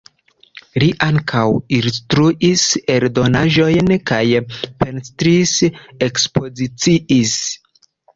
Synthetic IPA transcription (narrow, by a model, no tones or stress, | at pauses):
liʔaŋkʰawinstɾuʔise̞ɾdo̞naʒo̞jnkajpe̞nstɾise̞kspo̞zit͡siʔis